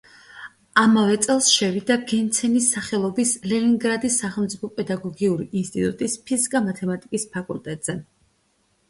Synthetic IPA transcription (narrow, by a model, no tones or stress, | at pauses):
amavɛt̪sʼɛlˠsʃɛvid̪aɡɛnt̪sʰɛnisːaχɛlˠɔbislɛniŋɡɾad̪isːaχɛlˠmt̪sʼipʰɔpʼɛd̪aɡɔɡiuɾiʔːnst̪ʼit̪ʼṵt̪ʼispʰizikʼamat̪ʰɛmat̪ʼikʼispʰakʼult̪ʼɛt̪ʼz̥ɛ